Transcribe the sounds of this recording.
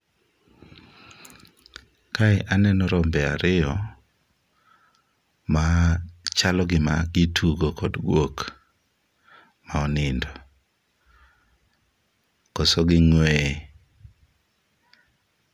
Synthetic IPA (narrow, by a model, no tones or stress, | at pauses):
kaɪʔanɛnɔɾɔmbɛaɾɪɔ | mat͡ʃalɔɡɪmaɡɪtʰuɡokɔdɡwok | maɔnɪndɔ | kɔsɔɡɪŋwɛ